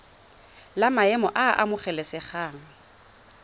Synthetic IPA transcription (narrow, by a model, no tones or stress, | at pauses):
lamaɛmɔʔaʔa̰mʊχɛlɛsɪχaːŋ̩